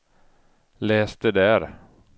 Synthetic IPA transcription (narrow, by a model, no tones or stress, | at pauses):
lɛːst̪ɛd̪æɾ